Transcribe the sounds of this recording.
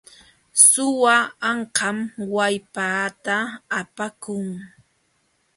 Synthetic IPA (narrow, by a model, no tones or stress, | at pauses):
sʊwaːɴqɑmwajpaːt̪aːpakʊŋ